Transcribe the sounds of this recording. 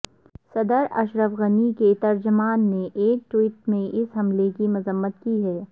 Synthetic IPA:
sɐd̪əɾɐ̰ʃɾəfɣəniket̪ɐɾd͡ʒʊmaːnːeʔeːk̚ʈwiːʈmẽʔɪsɦɐmlekimʊzəmːət̪kiɦɛː

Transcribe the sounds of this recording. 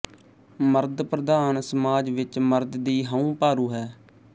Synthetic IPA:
məɾd̪pɾəd̪aːnsəmaːd͡ʒʋɪt͡ʃməɾd̪d̪iːɦəũːpaːɾuːɦɛː

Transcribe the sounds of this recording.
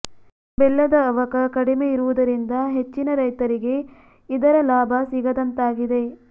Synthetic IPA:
bɛlːɐd̪ɐːʋɐkɐkɐɽimeiɾuʋud̪ɐɾind̪ɐɦe̞t͡ʃːinɐɾɐjt̪ɐɾiɡe̞ | id̪ɐɾɐlaːbʱɐsiɡɐd̪ɐnt̪aːɡid̪e̞

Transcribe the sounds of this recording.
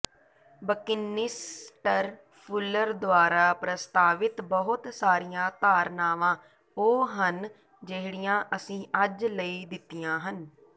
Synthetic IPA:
bəkɪnːɪsʈəɾ | pʰʊlːəɾd̪ʊaːɾaːpɾəst̪aːʋɪt̪bəɦʊt̪saːɾɪjãːt̪aːɾnaːʋãː | oːɦən | d͡ʒeɦɽɪjãːʔəsĩːʔəd͡ʒləiːd̪ɪt̪ːijãːɦən

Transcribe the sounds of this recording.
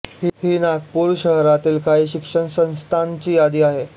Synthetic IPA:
hiɦiːnaɡpuːɾɕəɦɾat̪iːlkaɦiːɕikʂəɳsə̃nst̪ʰant͡ɕiːjad̪iːaɦe

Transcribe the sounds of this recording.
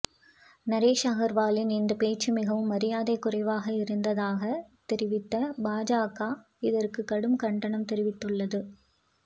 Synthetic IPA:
nɐɾeːʂaːɣɐɾʋaːlɪnɪnd̪ɐpeːt͡ʃːɯmɪɣɐʋɯmːɐɾɪjaːðɐɪkːʊrɐɪʋaːɣɐɪɾɯnd̪ɐðaːɣɐt̪ɛɾɪʋɪt̪ːɐbaːd͡ʒaːkaː | ɪðɐrkɯkːɐɽɯmkɐɳɖɐɳɐmt̪ɛɾɪʋɪt̪ːɯɭːɐðɯ

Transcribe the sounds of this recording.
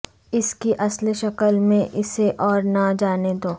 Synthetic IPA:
ɪskiʔɐsleʃɐkəlmẽʔɪseʔɔːɾnad͡ʒaːned̪oː

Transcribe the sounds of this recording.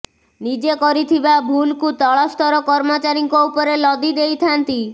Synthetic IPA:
nid͡ʒekɔɾit̪ʰibabʱulkut̪ɔɭɔst̪ʰɔɾɔkɔɾmot͡ʃaɾiŋkoupɔɾelɔd̪id̪ejt̪ʰant̪i

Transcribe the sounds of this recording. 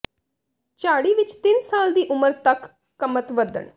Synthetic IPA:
t͡ʃaːɽiːʋɪt͡ʃt̪ɪnsaːld̪iːʔʊməɾt̪əkː | əmət̪ʋəd̪ə̰ɳ

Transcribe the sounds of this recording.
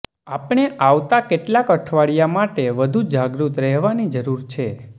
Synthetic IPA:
apɳ̃eʔaʋt̪akeʈlakəʈʰʋaɽijamaʈeʋəd̪ʱud͡ʒaɡɾut̪ɾɛɦʋanid͡ʒəɾuɾt͡ʃʰe

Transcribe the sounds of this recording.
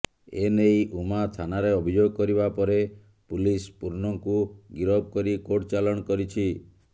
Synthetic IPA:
enejʔumat̪ʰanaɾeɔbʱid͡ʒoɡɔkɔɾibapɔɾe | pulispuɾnɔŋkuɡiɾɔb̚kɔɾikoʈt͡ʃalɔ̃ɔkɔɾit͡ʃʰi

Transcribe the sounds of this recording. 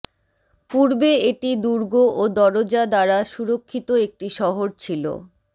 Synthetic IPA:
puɾbeeʈid̪uɾɡoʔod̪ɔɾod͡ʑad̪aɾaʃuɾokʰːit̪oek̚ʈiʃɔɦoɾt͡ɕʰilo̰

